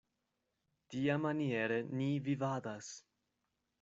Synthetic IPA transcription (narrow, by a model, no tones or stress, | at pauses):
tiamanieɾenivivad̪as